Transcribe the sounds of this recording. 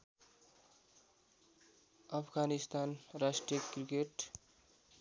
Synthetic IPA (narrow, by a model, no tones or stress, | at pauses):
ʌpʰɡanist̪anɾasʈrijəkɾikeʈ